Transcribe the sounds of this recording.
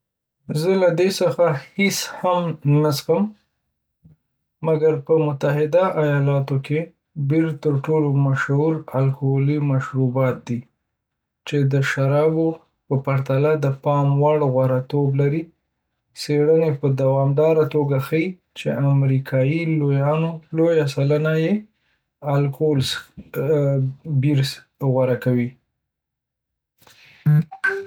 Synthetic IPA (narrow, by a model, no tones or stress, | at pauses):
zəlad̪esəxaheshamnasxəm | aɡaɾpəmʊt̪aɦɪd̪aʔajɑlɑt̪okʰe | beɾt̪əɾʈolomaʃhuɾalkolimaʃɾubɑt̪̚d̪i | t͡ʃed̪əʃaɾɑbo | pəpaɾt̪alad̪əpɑmwaɽɣwaɾat̪oblaɾi | seɽənepəd̪awɑmd̪ɑɾat̪oɡaxəi | t͡ʃeamɾikʰɑjilojɑnolojasalənaje | alkʰols | biɾs | ɣwaɾakawi